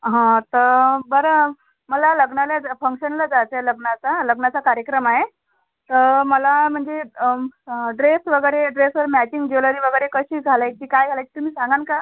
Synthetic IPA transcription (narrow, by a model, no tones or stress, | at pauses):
ɦãt̪əɾbəɾə | məlaləɡɳaljafəŋkɕənləd͡zat̪eləɡɳat͡saləɡɳat͡sakaɾjəkɾəmaɦe | t̪əɾməlam̤əɳd͡ze | ɖɾesʋəɡəjɾeɖɾesʋəɾmæt͡ɕiŋɡd͡ʑoləɾiːʋəɡəjɾekəɕiːɡʱalaj̚iːkajɡʱalajt͡ɕi̥t̪um̤iːsãŋɡanka